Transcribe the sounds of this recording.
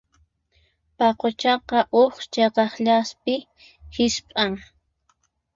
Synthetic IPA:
pɑqot͡ʃɑqɑʔoχt͡ʃeqɑχʎaspɪ | hɪʃpʼaŋ

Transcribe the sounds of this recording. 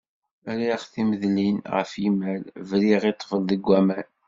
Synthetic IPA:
æɾiχθiməðlinʁə̰fimælvɾiʁit̪ˤːfəlðəɡʷːæmæn

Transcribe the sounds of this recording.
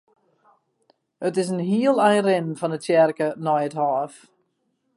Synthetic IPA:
ətɪsənɦiəlˠɛjrɪnfɔnətɛrkənɔjətɦaːf

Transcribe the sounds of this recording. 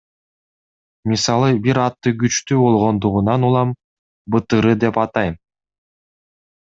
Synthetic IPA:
mʲisɑlˠɯbiɾɑt̪ːɯɡyt͡ʃt̪yːbo̞lˠʁo̞nd̪uʁunɑnulˠɑm | bɯt̪ɯɾɯd̪e̞pɑt̪ɑjm

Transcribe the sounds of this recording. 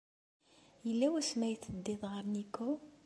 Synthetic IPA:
jəlːæwæsmæjθːəd̪ːɪðˤʁəɾnikːo

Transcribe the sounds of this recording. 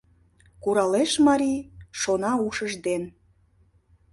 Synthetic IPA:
kuɾɑleʃmɑɾʲiʃonɑuʃəʒd̪en

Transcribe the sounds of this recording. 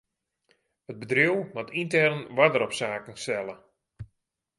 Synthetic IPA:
ət̚bədriwmatintɛrnʋadəɾɔpsaːkənstɛlˠə

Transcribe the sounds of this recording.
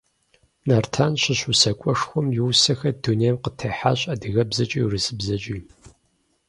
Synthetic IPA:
nartʰaːnɕɪɕusɐkʷʼɔʂxʷɔmjɪwsɐxɐdunejɐmqətʰɐħaːɕʼɐdɨɣɐbzɐt͡ʃʼirɨsɨbzɐt͡ʃʼiː

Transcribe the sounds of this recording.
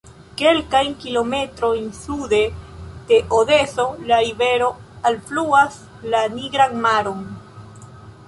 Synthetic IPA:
ke̞lkajnkilo̞me̞tɾo̞jnsude̞d̥e̞ʔode̞so̞laɾive̞ɾo̞alfluas | laniɡɾanmaɾo̞n

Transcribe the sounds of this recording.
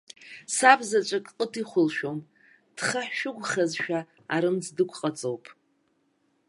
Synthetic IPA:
sabzat͡ʃʷʼakʼqʼətʰiχʷʊlʃᶣo̞m | d̥χaħʃʊɡʷχazʃᶣa | aɾɨmd͡zdɨkʷʰʼqʼat͡sʼowpʼ

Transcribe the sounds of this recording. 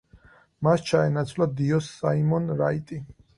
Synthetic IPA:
mast͡ʃʰaɛnat̪sʰvlad̪iɔsːaimɔnɾait̪ʼi

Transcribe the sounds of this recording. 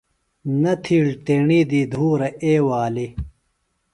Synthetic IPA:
nɐt̪ʰiːɽt̪eːɳid̪iːd̪ʱuːɾɐʔeːwaːli

